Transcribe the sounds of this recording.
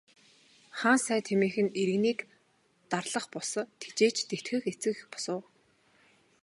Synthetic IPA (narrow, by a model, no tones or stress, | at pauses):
χaːnsæːt̪ʰemeːxɘ̆neɾɘ̆ɣniːk | t̪arɮə̆χpʊsɞ̆t̪ʰe̥t͡ɕeːt͡ɕt̪et̪xɘ̆xet͡sɘ̆ɣpɔ̥sə̆ː